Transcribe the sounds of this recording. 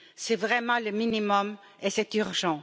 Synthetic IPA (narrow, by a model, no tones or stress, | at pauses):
sɛvʁɛmɑ̃ləminimɔm | esɛt̪yʁʒɑ̃